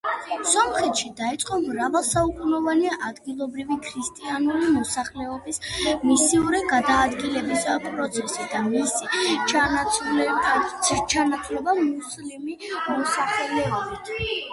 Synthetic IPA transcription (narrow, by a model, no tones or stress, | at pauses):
sɔmχɛt̪ʃid̪ait̪sʼqʼɔmɾavalˠsaukʼunɔvaniaʔad̪ɡilˠɔbɾivikʰɾist̪ʼianulimɔsaχlɛɔbismisiuɾiɡad̪aːd̪ɡilɛbispʼɾɔt̪sʰɛsid̪amisit͡ʃatl | t͡ʃʰanat̪ʰlɛbamuslimimɔsaχɛlɛɔbit̪ʰ